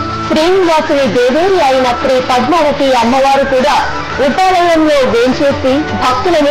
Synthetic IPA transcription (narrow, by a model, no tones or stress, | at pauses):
pɾiːmʋaːsuʋid̪eːʋeːɾiɐjinɐpɾiːpɐd̪maːɽɐkiɐmːɐʋaːɾukuːɽaː | upaːɽɐjɐmlo̞ːʋeɲt͡ʃeːsibʱɐk̚t̪ulɐni